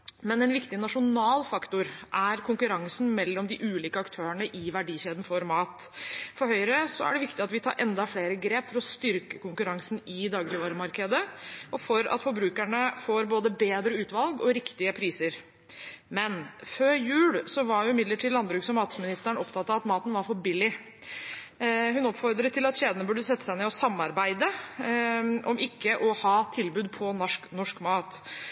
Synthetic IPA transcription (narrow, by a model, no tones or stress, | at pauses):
mɛnɛnʋɪkt̪ɪnɑʂʊnɑːlfɑkt̪ʊɾʔæɾkʰʊŋkʉɾɑŋsn̩mɛlːɔmd̪ɪʔʉːliːkəɑkt̪ʰøːəɳəʔɪʋæɖiːɕeːd̪n̩fɔɾmɑːt̪ | fɔɾhœʏɾəsɔ̰æ̰ɖɛʋɪkt̪ɪɑt̪ʋɪt̪ʰɑ̰ːɾʔɛnd̪ɑfleːɾəɡɾeːpfɔɾɔst̪ʏɾkə̥kʊŋkʉɾɑŋsnɪd̪ɑːɡɾɪʋɑːɾəmɑɾkəd̪əʔɔfɔɾɑ̰t̪fɔɾbɾʉːkæɳəfoːɾboːd̪əbeːd̪ɾəʉːt̪ʋɑlɡɔɾɪkt̪ɪəpʰɾiːsəɾ | mɛnføːɾjʉːlsɔʋɑɾjʊɪmɪd̪ləʈʰiːd̪lɑnbɾʉːksɔmːɑːt̪smɪnɪst̪æɳɔpt̪ʰɑt̪ːɑɑt̪mɑːt̪ənʋɑɾfɔbɪlɪ | ɦʉnɔpːfɔɾd̪ɾət̪ʰɪlɑt̪ɕeːd̪ənəbʉɖːəsɛt̪ːə̥sæɪnɛɔsɑmːɑɾbæɪd̪ə | ʔɔmʔɪkːəʔɔhɑːt̪ʰɪlbʉːd̪̚pʰɔnɔʂknɔʂkmɑːt̪